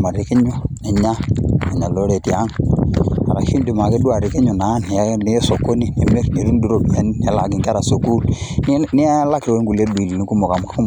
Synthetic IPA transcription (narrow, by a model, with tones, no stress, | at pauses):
ma˨ɾe˨kɛ˦ɲwɔ˦nɛ˨ɲa˦na˨ɲa˨lɔ˨˦ɾɛ˨ti˦a˦ŋ | a˨ɾa˨ʃi˦ndu˨ma˨kɛ˦du˦a˨ɾe˨ke˦ɲɔ˨na˨˦ni˨˦nɛ˨˦ɛ˦sɔ˨ko˦ni˦˨nɛ˨me˦ɾne˨ɾu˦n˦du˦ɾo˦˨du˨ɛ˦n˦nɛ˨˦la˨ɡi˨ŋka˦ɾa˨so˨ku˦ln˦ni˦ɛ˦la˦kwɛ˦ŋɡu˨le˦di˨li˨ni˨˦ku˦mɔ˨ka˨mu˨ka˦u˦m